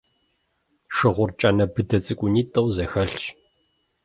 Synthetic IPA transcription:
ʃɨʁʷʊrt͡ʃʼanɐbɨdʰɐt͡sʼɨkʷʼʊniːtʼɨwzɐxɐɬt͡ʃʼ

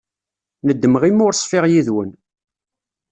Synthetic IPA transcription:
nəd̪ːəməʁimʊɾsˤfɪʁjiðwən

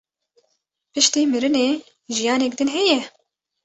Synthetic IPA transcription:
pɨʃt̪iːmɨɾɨneː | ʒijɑːnɛk̚d̪ɨnɦɛjɛ

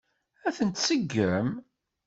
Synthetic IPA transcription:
æθənt̪səɡːəm

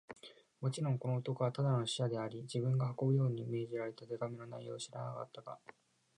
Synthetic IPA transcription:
mo̞t͡ɕiɾõ̞ŋko̞no̞ot̪o̞ko̞βat̪ad̪ano̞ɕi̥ad̪e̞aɾʲid͡ʑibɯ̟̃ŋɡahako̞bɯ̟jo̞ːɲ̟iːme̞ːʑiɾaɾe̞t̪ad̪eɡamʲino̞na̰ijo̞̰ːɕiɾa̰naka̰t̪ːaɡa̰

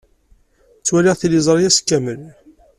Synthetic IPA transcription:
t͡sːwæliʁθilizˤɾˤijæskːæməl

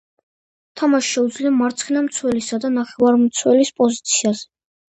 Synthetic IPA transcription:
t̪ʰamaʃʃɛud̪zliamaɾt̪sʰχʰinamt̪sʰwɛlisad̪anaχɛvaɾmt̪sʰwɛlispʼɔzit̪sʰiazɛ

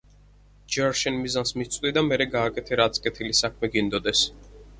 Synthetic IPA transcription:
d͡ʒɛɾʃɛnmizansmit̪sʼd̪id̪amɛɾɛɡaːkʼɛt̪ʰɛɾat̪sʼkʼɛt̪ʰilisakʰmɛɡind̪ɔd̪ɛs

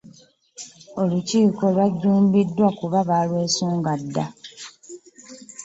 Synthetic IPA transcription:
o̞luciːko̞lwaɟːuːmbidːwakuβaβalwe̞ːsuːŋɡadːa

